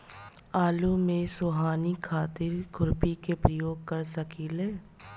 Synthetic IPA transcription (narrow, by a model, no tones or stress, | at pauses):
aːlumẽsoːɦaːnikʰaːt̪ɪɾɡʱʊɾpikepɾəjoːɡ̚kɐɾsɐkileː